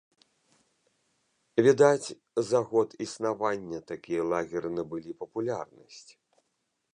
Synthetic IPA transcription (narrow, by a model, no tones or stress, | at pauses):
vʲid̪at͡sʲ | zaɣɔt̪isnavanʲːɐt̪akʲijɐlˠaɣʲɛɾɨnɨbɨlʲipɐpulʲarnɐsʲt͡sʲ